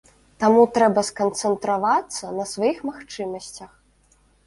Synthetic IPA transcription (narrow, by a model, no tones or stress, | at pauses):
t̪amut̪ɾɛbɐskɐnt̪sɛnt̪ɾavat̪sːɐnɐsvajixmaxt͡ʂɨmɐsʲt͡sʲɐx